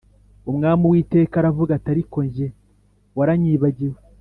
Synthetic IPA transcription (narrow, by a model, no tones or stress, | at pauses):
umŋaːmuwiːte̞ːkaɾavuɡataɾiko̞ɲʒe | waɾaɲiːβaɟiwe